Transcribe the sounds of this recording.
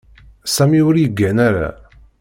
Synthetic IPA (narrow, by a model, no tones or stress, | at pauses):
sæmiʊɾjəɡːænaɾæ̰